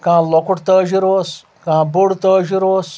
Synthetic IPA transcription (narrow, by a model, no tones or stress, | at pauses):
kãːlokuʈt̪əːʒiɾoːs | kãːbuɽt̪əːʒiɾoːs